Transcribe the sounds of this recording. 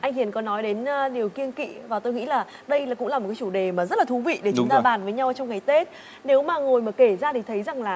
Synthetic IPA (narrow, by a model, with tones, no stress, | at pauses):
ʔa˧jŋ̟hi˧˨ənkɔ˨˦nɔ˨˦jɗe˨˦n˧ɗi˨˩əwki˧ənkḭ˧˨vaː˨˩t̪o˧jŋḭ˧˥laː˨˩ | ɗə˧jaː˨˩kʊ̰˧˥ŋ͡maː˨˩o˨˩tkaː˨˦t͡ɕu˧˩ɗe˨˩maː˨˩zə˦˥t̚laː˨˩u˨˦vḭ˧˨ɗe˧˩˨t͡ɕŋ͡mt̪aː˧ɓaː˨˩nvəː˨˦jɲa˧wt͡ɕɔ˧wŋ͡mŋa˨˩jt̪e˦˥t̚ | ne˨˦wmaː˨˩ŋo˨˩jmaː˨˩ke˧˩zaː˧t̪ʰi˨˩t̪ʰə˨˦jza˨˩ŋlaː˨˩